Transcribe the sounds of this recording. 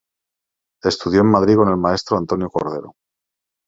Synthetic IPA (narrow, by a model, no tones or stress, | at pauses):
e̞st̪uð̞jo̞emːaðɾiko̞ne̞lmae̞st̪ɾoant̪onjoko̞̰ɾð̞e̞̰ɾo